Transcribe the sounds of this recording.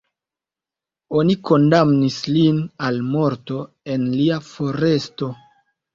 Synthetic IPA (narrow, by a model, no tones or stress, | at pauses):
o̞niko̞ndamnislinalmo̞ɾto̞ | e̞nliafo̞ɾe̞sto̞